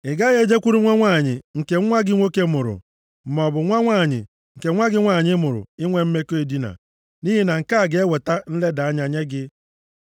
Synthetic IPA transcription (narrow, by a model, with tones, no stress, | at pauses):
ɪ˨ɡa˦ɣe˦˨d͡ʒe˦kʷu˦ɾu˦ŋʷa˦ŋʷaː˦˨ɲɪ˨ŋ̩˨ke˨ŋ̩˦ŋʷa˦ɡɪ˦ŋʷo˦ke˦mʊ˨ɾʊ̰˨ | m̩˨mɔ˨bʊ˨ŋʷa˦ŋʷaː˦˨ɲɪ̰˨ | ŋ̩˨ke˨ŋʷa˦ɡɪ˦ŋʷa˦˨ɲɪ˦mʊ˨ɾʊ̰˨ɪ˦ŋʷe˦m̩˦me˦ko˦e˨di˦na̰˨ | ni˦ɦi˦na˨ŋ̩˨ka˦˨ɡe˦we˨ta˦n̩˦le˦da˨a˦ɲa˨ɲe˦ɡɪ˦